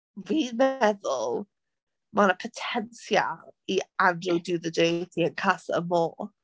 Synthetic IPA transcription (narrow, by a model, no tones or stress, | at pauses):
vimɛðʊlˠ | manəpʰətʰɛnsja̰ianəʊdɨðədetʰiə̃nkʰasə̰mɔː